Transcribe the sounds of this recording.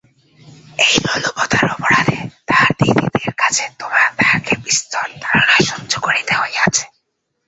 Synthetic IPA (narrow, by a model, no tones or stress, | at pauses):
ejlɔlopot̪aɾɔpoɾad̪et̪aɾd̪id̪ḭd̪eɾkat͡ɕʰet̪omat̪akebist̪ɔɾt̪aɾanaʃɔnd͡ʑokoɾit̪eɦoeat͡ɕʰe̥